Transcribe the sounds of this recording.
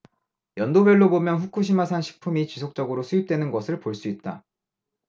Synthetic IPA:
jʌndobeɭːobomjʌnɸukʰuɕ̬ʰimasʰanɕʰi̥k̚pʰumit͡ɕisʰok̚t͡ɕ͈ʌɡɯɾosʰujip̚t͈wenɯnɡʌsʰɯɭpoɭs͈uit̚t͈a̰

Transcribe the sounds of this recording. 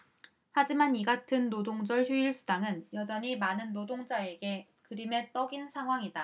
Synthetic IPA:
had͡ʑimaniɡatʰɯnːodoŋd͡ʑʌɭçjuiɭs͈ʰudaŋɯnjʌd͡ʑʌɲimanɯnːodoŋd͡ʑae̞ɡe̞ | kɯɾime̞t͈ʌɡinsʰaŋɦwaŋida

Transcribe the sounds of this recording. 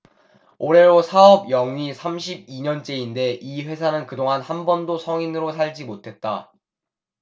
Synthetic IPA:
oɾe̞ɾosʰaʌbjʌŋɥisʰamɕʰib̚iɲʌnt͡ɕ͈e̞inde̞ʔiɸwe̞sʰanɯnkɯdoŋɦanhanbʌndosʰʌŋinɯɾosʰaʎd͡ʑimotʰe̞t̚t͈a

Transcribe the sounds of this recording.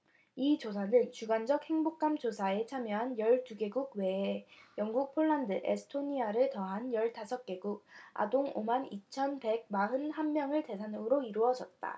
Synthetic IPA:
it͡ɕosʰanɯnt͡ɕuɡand͡ʑʌk̚he̞ŋbok̚k͈amt͡ɕosʰae̞t͡ɕʰamjʌɦanjʌɭtuɡe̞ɡuɡ̚we̞ːjʌŋɡuk̚pʰoɭːandɯʔḛsʰɯ̥tʰoɲiaɾɯtʌɦanjʌɭtasʰʌk̚k͈e̞ɡuɡ̚a̰doŋo̰manit͡ɕʰʌnpe̞ɡ̚maɦɯnhammjʌŋɯɭte̞sʰanɯŋɯɾoiɾuʌd͡ʑʌt̚t͈a̰

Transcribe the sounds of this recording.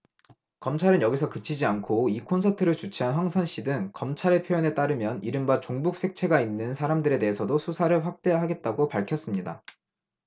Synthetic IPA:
kʌmt͡ɕʰaɾɯnjʌɡisʰʌkɯt͡ɕʰid͡ʑiankʰoikʰonsʰatʰɯɾɯɭt͡ɕut͡ɕʰiɦanɸwaŋsʰʌnɕ͈ʰidɯŋkʌmt͡ɕʰaɾe̞pʰjojʌne̞t͈aɾɯmjʌniɾɯmbat͡ɕoŋbuk̚s͈ʰe̞k̚t͡ɕʰe̞ɡainːɯnsʰaɾamdɯɾe̞te̞ɦesʰʌdosʰusʰaɾɯɭɸwak̚t͈e̞ɦaɡe̞t̚t͈aɡopaɭkʰjʌs͈ɯmɲida̰

